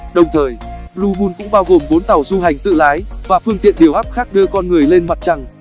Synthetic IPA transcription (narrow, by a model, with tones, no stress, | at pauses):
ɗə˨˩wŋ͡mt̪ʰəː˨˩jlu˧ɓu˧nkʊ̰˧˥ŋ͡mɓaː˧wɣo˨˩mvo˨˦nt̪a˨˧˩wzu˧ɦa˨˩jŋ̟t̪ɨ̰˧˨laː˨˦jvaː˨˩fɨ˧əŋt̪ḭ˧˨ənɗi˨˩əwʔaː˦˥p̚xaː˦˥k̚ɗɨ˧əkɔ˧nŋɨ˨˩əjle˧nma˨˩t̚t͡ɕa˧ŋ